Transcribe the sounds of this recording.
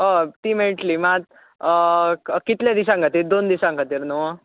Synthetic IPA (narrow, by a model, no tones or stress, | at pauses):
ɦot̪iːmeʈliːmat̪̚ | kit̪ljad̪is̬ãŋkat̪iːɾd̪ond̪isãŋɡʰʱat̪iːɾnəʋə